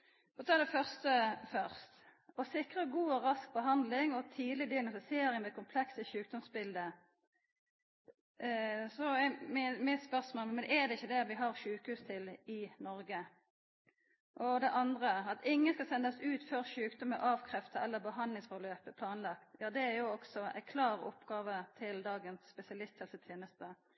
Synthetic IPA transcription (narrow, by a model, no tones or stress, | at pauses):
fɔt̪ʰɑːd̪ɛfœʁst̪əfœʁst̪ɔsɪkʁəɡuːɔʁɑsk̚bəɦɑnd̪lɪŋɔt̪ʰiːd̪lɪd̪ɪɑɡnʊsseːɾɪŋmɛkʰʊmpʰlɛksəɕʉːk̚d̪ɔmsbɪld̪ə | sɔɛmɪmɪt̪spœʁsmoːlmɛnɛd̪ɛɪçːəd̪ɛʋɪɦɑʁʃʉːkəhʉːst̪ʰɪlɪnɔɾɡə | ʔɔd̪ɛʔɑnd̪ʁəɑt̪ɪŋːənskɑsɛnd̪əsʉːt̪fœɾʃʉːkd̪ɔməʔɑːʋkʰʁɛft̪əʔɛlːəʁbəɦɑnlɪŋsfɔløːpəpʰlɑːnlɑkt̪jɑːd̪ɛæɾjʊɔksɔæ̰ɪkʰlɑːɾʊ̰pɡɑːʋət̪ʰɪld̪ɑːɡənsspɛsɪɑlɪst̪hɛlsət̪ʰjeːnəst̪ə